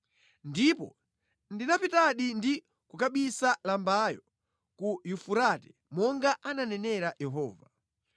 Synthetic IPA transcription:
ndipɔ̰ | ndinapitaɗindi | kukaɓisalambajɔ | kujufuɾatɛ̥ | mɔŋɡaʔananɛnɛɾajɛɦɔ̰ːva

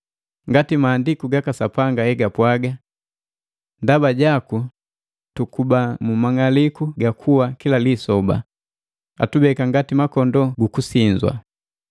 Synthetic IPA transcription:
ŋɡatimaːndikuɡakasapaŋɡaɛɡapwaɡa | ndabaɟaku | tukubamumaŋalikuɡakʰuwakilalisɔba̰ | a̰tubɛkaŋɡatimakɔndɔɡukusiɲzwa̰

